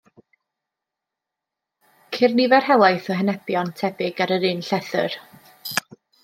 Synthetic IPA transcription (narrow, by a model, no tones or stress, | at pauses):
kʰɪrnivɛrhɛlˠajθɔɦɛnɛbjɔntʰɛbɪɡaɾəɾɨnɬɛθɨ̰r